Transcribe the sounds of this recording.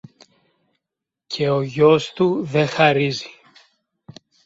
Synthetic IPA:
cʰe̞oʝo̞st̪uðe̞xɐɾizi̥

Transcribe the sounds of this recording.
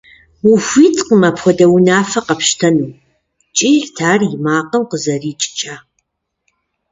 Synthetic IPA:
wuxʷiːtʰʼqəmɐpxʷɔdɐwnaːfɐqɐpʃtʰɐnuː | t͡ʃʼiːɮtʰaːrɪmaːqəmqəzɐriːt͡ʃʼɪ̥t͡ʃʰʼaː

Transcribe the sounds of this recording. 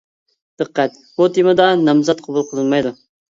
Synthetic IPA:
d̪̥ɨqʰːæt̪̚ | but̪ʰimɨd̪ɑnɑmzɑt̪̚qʰɑbulˠqʰəlˠɨnmɑjd̪u

